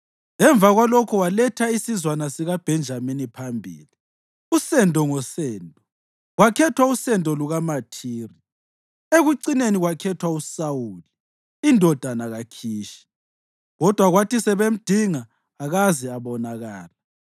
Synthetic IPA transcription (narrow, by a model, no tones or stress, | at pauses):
ɛɱvʱaɣwalɔkʰɔwalɛtʰaisizwanasiɣab̥ʱɛnd͡ʒʱaminipʰambʱḭːli | usɛndʱʼɔŋɔsɛːndʱʼɔ | ɣwakʰɛtʰwausɛntʼɔluɣamatʰiːri | eɣuǀineniɣwakʰɛtʰwausawuːliː | ndʱɔd̥ʱanaɣakʰiːʃi̥ | ɣɔd̥ʱwaɣwatisɛβem̩d̥ʱiŋaː | ɣazɛaβɔnaɣaːla